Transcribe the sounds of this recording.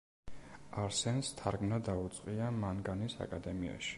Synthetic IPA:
aɾsɛnst̪ʰaɾɡmnad̪aut̪sʼqʼiamanɡanisa̰kʼad̪ɛmia̰ʃi̥

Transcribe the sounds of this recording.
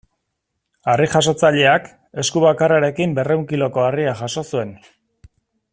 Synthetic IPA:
arixaso̞t͡saʎe̞ak | e̞skuβakaraɾe̞kimbe̞re̞wŋkilo̞ko̞ariaʝaso̞sue̞n

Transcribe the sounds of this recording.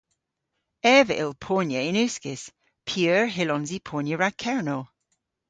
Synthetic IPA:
ɛːvəʔɪlˠpʰoːnjəɪnʉskɪs | pʰiøːɹɦɪlɔ̃nzipʰoːnjəɹakʰɛɹnol

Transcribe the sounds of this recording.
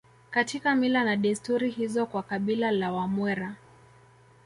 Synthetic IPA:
katikamilanaɗɛstuɾihizɔkwakaɓilalawamwɛɾa

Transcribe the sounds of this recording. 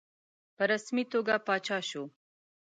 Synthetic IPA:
pəɾasmit̪oɡapɑt͡ʃɑʃo

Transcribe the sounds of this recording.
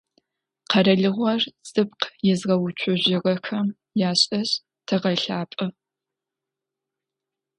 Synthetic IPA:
qɐɾɐɮɨʁʷɔrz̥ɨp̚qjɛzʁɐwʊt͡ʃʷʰʊʑɪʁɐxɐm | jaːɕʼɐɕ | tʰɐʁɐɬaːpʼɨ

